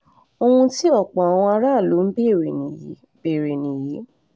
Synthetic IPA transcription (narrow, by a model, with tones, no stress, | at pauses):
o˧hũ˧ti˦ɔ˦˨k͡pɔ̃˨a˨w̃ɔ̃˧a˧ɾa˦˨lo˨˦n̩˦bi˦˨ɾe˨nĩ˨j | be˨ɾe˨nĩ˨ji˨˦